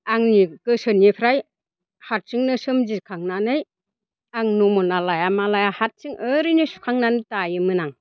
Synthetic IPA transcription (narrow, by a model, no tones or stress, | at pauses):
aŋnikɯsɯnipʰɾaj | hat̚sɯŋnɯsɯmd͡ʒikʰaŋnanɯj | aŋnumɔnalajamalajahat̚sɯŋɯɾɯnisu̥kʰaŋnanɯtajɯmɯnaŋ